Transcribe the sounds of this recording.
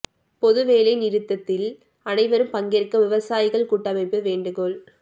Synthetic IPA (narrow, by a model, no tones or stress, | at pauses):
pɔðɯʋeːlɐɪnɪɾɯt̪ːɐt̪ːɪl | ɐnɐɪʋɐɾɯmpɐŋɡɪrkɐʋɪʋɐsaːjɪɣɐɭkuːʈːɐmɐɪpːɯʋeːɳɖɯɣoɭ